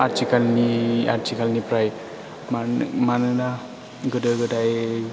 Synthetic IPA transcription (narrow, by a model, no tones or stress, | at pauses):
aɾt͡ʃikalnia̰ɾt͡ʃikalnipɾaj | mamanɯna | ɡɯdɯɡɯdaj